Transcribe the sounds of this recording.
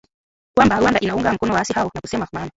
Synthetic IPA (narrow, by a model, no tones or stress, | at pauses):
kwambaɾwandaʔinauŋɡam̩kɔnɔwaasihaɔnakusɛmamana